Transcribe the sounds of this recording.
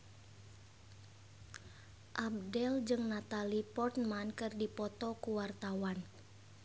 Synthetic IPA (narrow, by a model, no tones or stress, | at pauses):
ʔab̚dɛld͡ʒɨŋnat̪alipɔrt̪mankɨrdipɔt̪ɔkuwart̪awan